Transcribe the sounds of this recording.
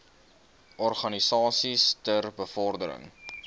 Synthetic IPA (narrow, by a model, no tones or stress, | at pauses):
ʔɔrχɐnisɑːsistərbəfɔrdəɾə̰ŋ